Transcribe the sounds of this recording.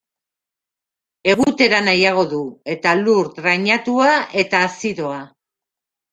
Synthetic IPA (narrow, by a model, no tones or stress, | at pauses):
e̞ɣ̞ut̪e̞ɾanajaɣ̞o̞ðue̞t̪aluɾðɾaɲat̪uaʔe̞t̪aːsiðo̞a